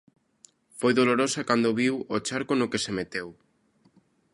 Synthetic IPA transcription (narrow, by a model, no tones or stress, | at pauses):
fojðoloɾosakand̪oβiwot͡ʃaɾkonʊkesemet̪ew